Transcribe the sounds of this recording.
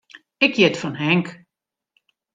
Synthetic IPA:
ɪkjɪtfɔnɦɛŋk

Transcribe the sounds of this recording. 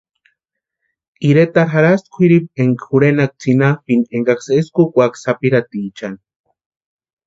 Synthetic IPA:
iɾet̪aɾxaɾast̪kʷʰiɾip̚eŋkxuɾenak̚t͡sinapineŋɡakseskukʷaksapiɾat̪it͡ʃan

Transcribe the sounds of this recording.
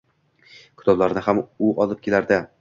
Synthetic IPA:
kʲʰʊ̥t̪ʰɒblaɾnɪɦamʊʔɒlˠɪp̚kʲʰe̞laɾd̪ɪ

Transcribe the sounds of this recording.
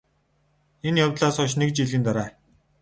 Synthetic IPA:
enjawt̪ɮaːsχʊʃnek̚t͡ɕiɮiːnt̪aɾaː

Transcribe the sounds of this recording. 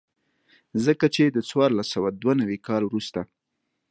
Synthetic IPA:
zəkat͡ʃed̪ət͡swɑɾlasawad̪wanawikɑlwɾust̪a

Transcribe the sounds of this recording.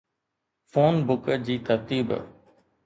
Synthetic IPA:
foːnbʊkəd͡ʑiːt̪əɾt̪iːb

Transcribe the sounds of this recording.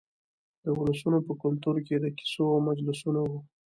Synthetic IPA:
d̪̥əʊləsunopəkʊlt̪uɾked̪əki̥soawmad͡ʒlʊsunawu

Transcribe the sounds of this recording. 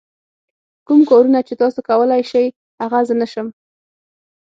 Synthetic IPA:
kumkɑɾunat͡ʃet̪ɑsokawəlajʃəj | haɣazənaʃəm

